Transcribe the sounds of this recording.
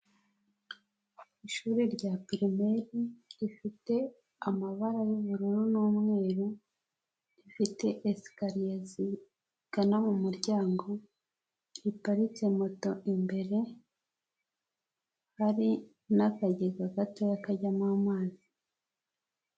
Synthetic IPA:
iʃuːɾiɾɟapiɾime̞ɾiifite̞ | amaβaɾajuβuɾuɾunuːmŋe̞ːɾu | ifite̞ʔːskaɾijezi | ɡ̥anamumuɾɟaːŋɡo̞ | ipaɾit͡se̞mo̞to̞imbe̞ɾe̞ | haɾi | nakaɟeɡaɡato̞jakaɟamaːmaːzi

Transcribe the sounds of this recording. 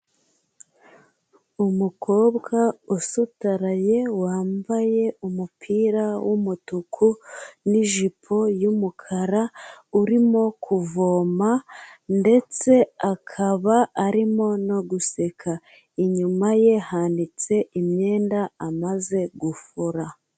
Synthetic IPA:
umukʰo̞ːbɡausutaɾaje̞waːmbaje̞umupʰiːɾawʔumutukʰuniʒipʰo̞jumukʰaɾauɾimo̞kʰuvo̞mande̞t͡se̞akʰaβaːɾimo̞no̞ɡuse̞kʰa | iɲumaje̞handit͡se̞imɲe̞ːndaːmaze̞ɡufuɾa

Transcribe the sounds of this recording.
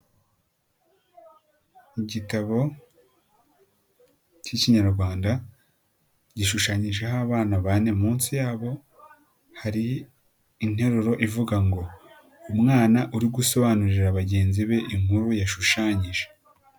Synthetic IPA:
iɟitaβo̞ | ciciɲaɾɡwaːnda | ɟiʃuʃaːɲiʒe̞ɦaβaːnaβane̞muːnsijaːβo̞ | haɾiː | n̥he̞ɾuɾo̞ʔivuɡaŋɡo̞ | umŋaːnaʔuɾiɡuso̞βanuɾiɾaβaɟe̞ːnziβe̞ʔiŋhuɾujaʃuʃaːɲiʒe̥

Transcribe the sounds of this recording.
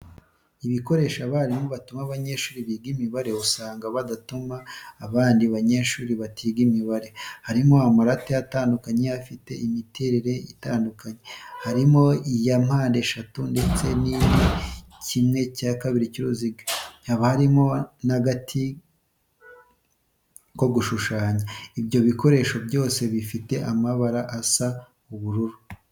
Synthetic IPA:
iβiko̞ɾe̞ːʃaβaɾimoβatumaβaɲe̞ʃuːɾiβiɡimiβaɾe̞usaːŋɡaβadatumaːβaːndiβaɲe̞ʃuːɾiβatʰiɡimiβaɾe̞haɾimo̞amaɾatejataːndukaɲeafite̞̰imiteɾiɾe̞itaːndukaɲehaɾimo̞ijam̥haːnde̞ʃatunde̞t͡se̞nijicimŋe̞caːkaβiɾiciɾoziɡehaβahaɾimo̞naɡatʰi | ko̞ɡuʃuʃaːɲaibjo̞βiko̞ɾe̞ʃo̞bjo̞ːse̞βifite̞ʔamaβaɾaʔasa | uβuɾuɾu

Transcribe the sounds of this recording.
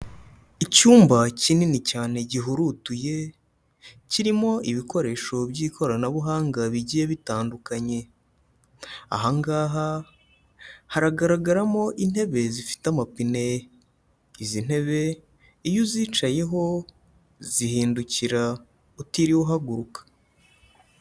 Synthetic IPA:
icuːmbacininicaːne̞ɟiɦuɾutuje̞ | ciɾimo̞ʔiβiko̞ɾe̞ːʃo̞bɟiːkʰo̞ɾanaβuɦaːŋɡaβiɟijeβitaːndukaɲe̞ | a̰ɦaŋɡaːɦa | haɾaɡaɾaɡaɾamo̞ʔin̥he̞βe̞zifi̥tamapine | izin̥he̞βe̞ | ijuziːt͡ʃaje̞ɦo̞ | zihiːnduciɾa | utiɾiwoɦaɡuɾukḁ

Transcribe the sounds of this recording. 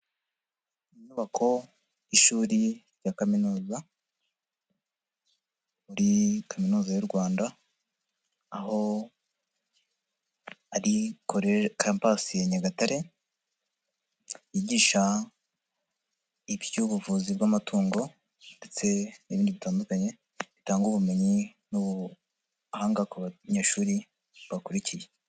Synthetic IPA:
iɲuːβakʰo̞ | iʃuːɾiɾjakaminuːza | uɾikaminuːzajuɾɡwaːnda | ho̞ | aɾikoɾekampasijeɲaɡataɾe̞ | jiːɟiːʃa | iβjuβuvuːzibɡamatʰuːŋɡo̞ | nde̞t͡se̞niβiːndiβitaːndukaɲe̞ | βitaːŋɡuβume̞ɲi | nuβu | haːŋɡakuβaɲeːʃuːɾi | βakuɾicije

